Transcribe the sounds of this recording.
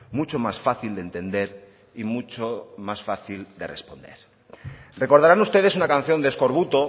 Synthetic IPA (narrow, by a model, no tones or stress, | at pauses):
mut͡ʃomasfaθild̪ent̪e̞nd̪e̞ɾ | imut͡ʃomasfaθild̪e̞re̞spo̞nd̪e̞̰ɾ | rre̞ko̞ɾðaɾanust̪e̞ð̞e̞sunakan̟θjo̞nd̪esko̞ɾβut̪o̞